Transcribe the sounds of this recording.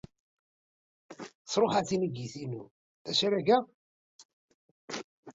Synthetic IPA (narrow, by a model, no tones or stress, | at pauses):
sˤɾˤoχaθinəɡiθinu | θæsɾæɡæ